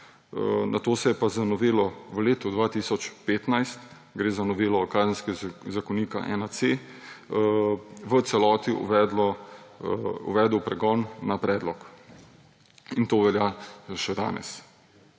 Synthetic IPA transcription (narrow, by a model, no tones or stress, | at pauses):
nʔat̪oːsɛjɛpazanɔʋeːlɔʋəleːt̪ɔd̪ʋaːt̪iːsɔt͡ʃpeːt̪najst̪ | ɡɾeːzanɔʋeːlɔkaːzənskɛzakɔniːka̰ʔɛ̰nat̪se | ʋət̪sɛlɔːt̪iṵʋɛːd̪lɔ | ṵʋɛːd̪əwpɾɛɡɔnːapɾɛːd̪lɔk | int̪oʋɛljaʃɛd̪a̰ːnɛ̰s